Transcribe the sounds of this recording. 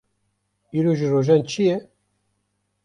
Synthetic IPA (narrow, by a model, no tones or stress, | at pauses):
iɾoʒəroʒænt͡ʃʰije